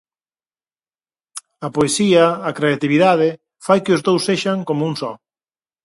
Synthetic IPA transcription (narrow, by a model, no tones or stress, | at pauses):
ɐpoesiɐːkɾeat̪iβiðað̞ɪ | fajkɪʊzðowsːeʃaŋkomʊuŋsɔ